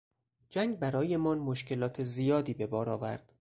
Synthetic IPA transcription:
d͡ʒæŋɡbæɾɒːje̞mɒːnmoʃce̞lɒːt̪ʰezijɒːd̪iːbe̞bɒːɾɒːvæ̰ɾd̪̥

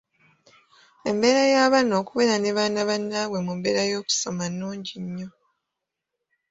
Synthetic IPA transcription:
e̞mbe̞ːɾajaːβano̞ːkuβe̞ɾaneβaːnaβanːaːβwe̞mumbeːɾajo̞ːku̥so̞manːuːɲɟiɲːo̞

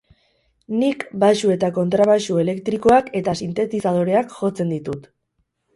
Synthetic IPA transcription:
nikbaʃue̞t̪ako̞nt̪ɾaβaʃue̞le̞kt̪ɾiko̞ake̞t̪asint̪e̞t̪isað̞o̞ɾe̞akʝo̞t͡se̞nd̪it̪ut̪

